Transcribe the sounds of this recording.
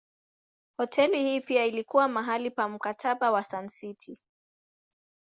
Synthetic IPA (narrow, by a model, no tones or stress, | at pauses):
hɔtʰɛlihiːpiailikuwamaɦalipam̩katʰaɓawasansitʰi